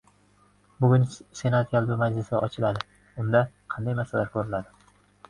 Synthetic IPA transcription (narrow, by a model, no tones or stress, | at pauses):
bʊɡʲʊnse̞nat̪jʲalˠbɪmad͡ʒlɪsa̰ʔɒt͡ʃʰɪlad̪ɪ | ʊnd̪a | qʰɑnd̪ajmasalaɾkʰoɾɪlad̪ɪ